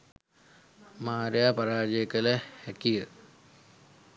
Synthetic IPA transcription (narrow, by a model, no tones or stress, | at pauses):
maːɾjapɐɾaːd͡ʒekəlehɛkijə